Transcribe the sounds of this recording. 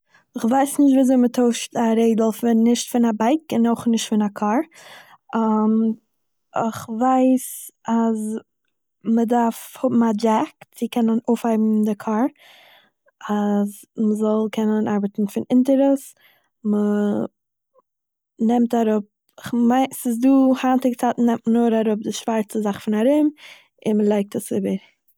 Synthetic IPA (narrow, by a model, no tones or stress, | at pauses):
ɪχvaɪsnɪʃtviazoɪmətʰoʊʃtaɾeɪdl̩ˠfɪnːɪʃtfɪnabaɪkɪnoχnɪʃtfɪnakʰɔɾ | am | ɪχvaɪsaz | mədaɾfhʊbm̩ad͡ʒɛkt͡sɪkʰɛnənoʊfhaɪbm̩dɪkʰɔɹ | az | məzɔlˠkʰɛnənaɾbətn̩fɪnɪntəɾəs | mə | nɛmtaɾʊp̚ | ɪχmaɪnsɪsduːhantɪɡt͡saːtn̩ɛmtmənʊːɾaɾʊp̚dɪʃv̥aɾt͡səzaχfɪnaɾɪm | ɪnməlˠaɪk̚təsɪbəɾ